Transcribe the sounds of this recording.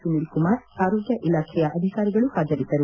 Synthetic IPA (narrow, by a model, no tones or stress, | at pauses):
unilkumaːɾaːɾoːɡjɐʔilaːkɾijaʔɐd̪ʱikaːɾiɡɐɭuhaːd͡ʒɐɾit̪ːɐɾu